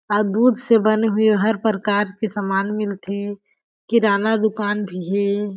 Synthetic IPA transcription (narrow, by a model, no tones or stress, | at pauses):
ɔd̪uːd̪ʱsebɐneɦʊeɦɐɾpɾəkaːɾkesamaːnmɪlt̪ʰe | kiɾaːnad̪ʊkaːnbʱiɦɛː